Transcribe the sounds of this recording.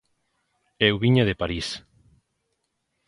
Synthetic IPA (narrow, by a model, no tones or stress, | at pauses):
ewβiɲaðepaɾis